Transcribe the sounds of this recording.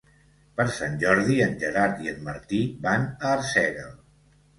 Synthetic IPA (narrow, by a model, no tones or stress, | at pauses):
pəɾsanʲʒɔɾðiənʲʒəɾaɾt̪iənməɾt̪ibanəːɾsɛɣəl